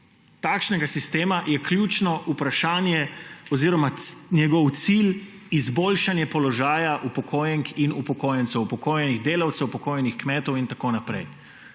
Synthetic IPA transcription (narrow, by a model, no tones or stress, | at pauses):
t̪aːkʃnɛɡasist̪eːmajɛklʲjuːt͡ʃnɔʔupɾaʃaːnjɛɔziɾɔmanjɛɡɔwt̪sil | izboːlʃanjɛpɔlɔʒaːjaʔupɔkʰoːjɛŋkinupɔkoːjɛnt̪sɛwupɔkoːjɛniɣd̪eːlawt̪sɛwpɔkoːjɛnixkmɛːt̪ɔwint̪akoːnapɾɛ̰j